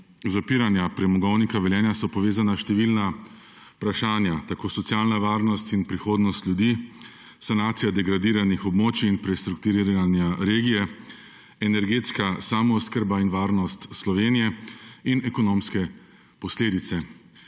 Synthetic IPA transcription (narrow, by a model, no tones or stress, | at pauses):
zapiːɾanjapɾɛmɔɡɔwnikaʋɛljɛːnjasɔpɔʋeːzanaʃt̪ɛʋilna | pɾaʃaːnjat̪akoːsɔt̪sjaːlnaʋaːɾnɔst̪inpɾixoːd̪nɔst̪ljud̪iː | sanaːt̪sijad̪ɛɡɾad̪iːɾanixɔbmoːt͡ʃiːnpɾɛst̪ɾuk̚t̪uɾiɾanjaɾeːɡijɛ | ɛnɛɾɡeːt̪skasamɔːskəɾbainʋaːɾnɔst̪slɔʋeːnijɛinɛkɔnoːmskɛ | pɔsleːd̪it̪sɛ